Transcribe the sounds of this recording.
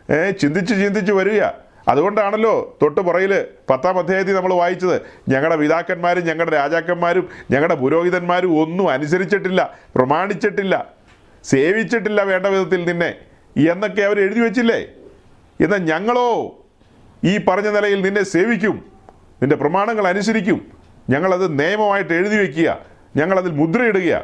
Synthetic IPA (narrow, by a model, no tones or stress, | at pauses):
t͡ɕind̪it͡ɕːɨt͡ɕind̪it͡ɕːuʋɐɾuɣɐ̰ | ɐ̰ðuɣo̞ɳɖaːɳɐlːo̞ːt̪o̞ʈːɨpurɐjilpɐt̪ːaːmɐd̪ʱjaːjɐt̪ːinɐmːɐɭʋaːjit͡ɕːɐðɨɲɐŋːɐɭɽe̞ʋiðaːkːɐnmaːɾumɲɐŋːɐɭɽeɾaːd͡ʑaːkːɐnmaːɾumɲɐŋːɐɭɽe̞puɾo̞ːɡiðɐnmaːɾumo̞nːuɐnus̬ɐɾit͡ɕːiʈːilːɐprɐmaːɳit͡ɕːiʈːilːɐ̰ | se̞ːʋit͡ɕːiʈːilːɐʋe̞ːɳɖɐʋiðɐt̪ːilninːe̞̰ | enːo̞kːe̞ɐʋɐɾeɻuðiʋet͡ɕːilːḛ | enːaːlɲɐŋːɐɭo̞ː | iːpɐrɐɲːɐnilɐjilninːe̞se̞ːʋikʲːum | ninde̞prɐmaːɳɐŋːɐɭɐnus̬ɐɾikʲːum | ɲɐŋːɐɭɐðɨneːjɐmɐmaːjiʈːe̞ɻuðiʋek̬ʲːuɣɐ̰ | ɲɐŋːɐɭɐðilmud̪rɐjeɽuɣɐjɐ̰